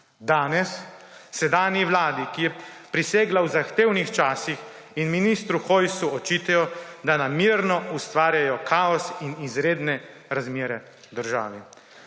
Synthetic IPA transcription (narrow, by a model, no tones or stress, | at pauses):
d̪aːnɛsː | ɛd̪aːnjiʋlaːd̪ikijɛpɾiseːɡlawzaxt̪eːwnixt͡ʃaːsix | inminist̪ɾuxojsuɔt͡ʃiːt̪ɛjɔd̪anamiːɾnɔust̪ʋaːɾjajɔkʰaːɔsinizɾeːd̪nɛ | ɾazmeːɾɛ | d̪əɾʒa̰ːʋi